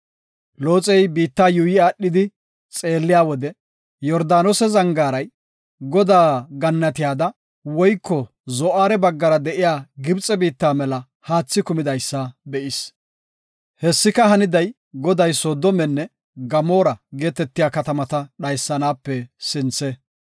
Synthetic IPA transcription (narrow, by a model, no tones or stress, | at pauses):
lo̞ːt͡sʼɛjbiːt̪ːaːjujɪaːɗːɪd̪ɪ | t͡sʼe̞ːlːɪjaːwɔd̪ɛ | jɔɾd̪aːnɔsɛzɐŋɡaːɾɐj | ɡɔd̪aːɡɐnːɐt̪ɪjaːd̪ɐ | wɔjkːɔ | zɔʔaːɾɛbɐɡːɐɾɐd̪ɛʔɪjaːɡɪbt͡sʼɛbiːt̪ːaːmɛlɐ | haːt͡sːɪkʊmɪd̪ɐjsːɐbɛʔɪs | hɛsːɪkɐɦɐnɪd̪ɐj | ɡɔd̪ɐjsoːd̪ɔmɛnːɛ | ɡɐmo̞ːɾɐɡe̞ːt̪ɛt̪ːɪjaːkɐt̪ɐmɐt̪ɐɗɐjsːɐnaːpːɛsɪnt͡sɛ